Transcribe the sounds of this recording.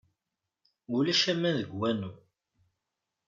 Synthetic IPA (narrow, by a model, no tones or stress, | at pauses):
ulæʃæmːænðəɡwænu